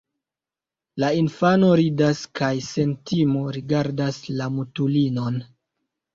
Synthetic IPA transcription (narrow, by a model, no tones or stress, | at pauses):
lainfano̞ɾidaskajse̞ntimoɾiɡaɾdaslamutulino̞n